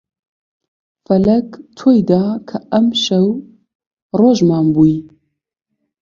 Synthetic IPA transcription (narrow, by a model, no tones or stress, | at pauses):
fɐlɐkt̪ʰojd̪aːkʰɐɐmʃɐw | roːʒmaːmbuji